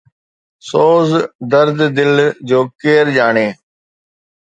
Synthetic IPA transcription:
soːzd̪əɾd̪d̪ɪld͡ʒoːkeːɾd͡ʒaːɳeː

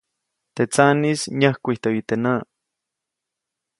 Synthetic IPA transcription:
t̪et͡sanisɲahkʷiht̪oit̪ena

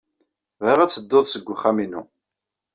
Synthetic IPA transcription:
vəʁæt͡sːəd̪ːoðˤsəɡʷːʊχːæminṵ

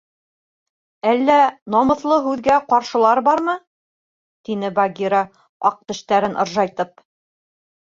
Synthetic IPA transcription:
ælːænɑmɤ̆θlˠɤɦʉðɡæqɑɾʃɤ̆lˠɑɾbɑɾmɤ | t̪inɘbaɡʲiɾa | ɑ̰q̚t̪ɘ̆ʃt̪æɾɘnʔɤ̰̆ɾʒɑjt̪ɤp̚

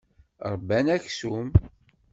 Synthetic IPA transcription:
ɾˤbːænæçsum

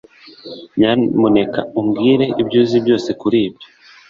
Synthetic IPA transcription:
ɲamone̞kauŋɡiːɾe̞ʔibjuːzibjo̞ːse̞kuɾiːbjo

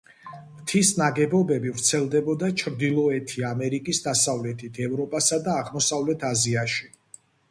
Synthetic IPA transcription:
mt̪ʰisnaɡɛbɔbɛbivɾt̪sʰɛlˠd̪ɛbɔd̪at͡ʃʰɾd̪ilˠɔɛt̪ʰiamɛɾikʼisd̪asavlɛt̪ʰit̪ʰɛvɾɔpʼasad̪aːʁmɔsavlɛt̪ʰaziaʃi

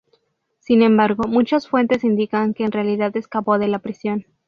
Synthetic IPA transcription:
sinẽ̞mbaɾɣo̞mũt͡ʃasfwe̞nt̪e̞sind̪ikaŋke̞ːnrealiðaðe̞skapo̞ðe̞lapɾisjo̞n

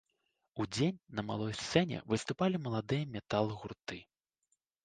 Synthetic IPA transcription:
ud͡zʲenʲnɐma̰lˠɔjst̪sɛnʲɛ̰vɨst̪upalʲimɐlˠad̪ɨjɐmʲɛt̪alˠɣurt̪ɨ

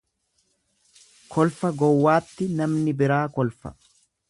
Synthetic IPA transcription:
kʰɔlfɐɡɔwːaːt̪ːɪnɐmnɪbɪɾaːkɔlfɐ̰

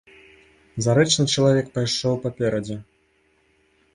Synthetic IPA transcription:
zaɾɛt͡ʂnɨt͡ʃɐlˠavʲɛk̚pajʂɔwpapʲɛɾɐd͡zʲɛ

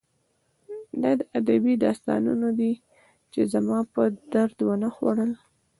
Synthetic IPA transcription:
d̪ɑd̪əʔad̪abid̪ɑst̪ɑ̰nṵnod̪i | t͡ʃezamɑpəd̪aɾd̪wənaxwa̰ɽəl

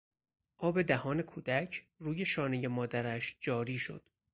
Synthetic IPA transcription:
ʔɒːbe̞d̪æhɒːne̞kʰuːd̪̥æcʰ | ruːje̞ʃɒːne̞je̞mɒːd̪æɾæʃd͡ʒɒːɾiːʃo̞̰d̪̥

